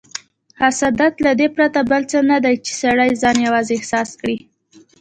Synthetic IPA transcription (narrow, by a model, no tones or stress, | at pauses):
hasad̪at̪lad̪epɾat̪abəlt͡sənad̪ajt͡ʃe̥saɽajzɑnjawɑzeɪhsɑskɽi